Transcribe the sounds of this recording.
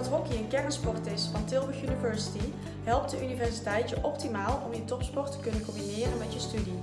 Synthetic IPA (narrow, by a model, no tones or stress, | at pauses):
ɑtrɔkiənkɛɹənspɔɹtɪsfɑntɪlˠbəxynivɛɹsi̥ti | ɦɛlˠp̚tdəʔynivɛɹsitɛjtəʔɔp̚timaːlˠɔmjətɔpspɔɹtə̥kɵnənkɔmbinɪːrənmɛtjəstydi